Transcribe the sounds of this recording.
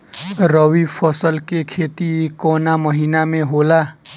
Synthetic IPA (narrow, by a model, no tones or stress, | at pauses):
ɾəʋipʰəsəlkekʰet̪ikonaməɦinamẽɦola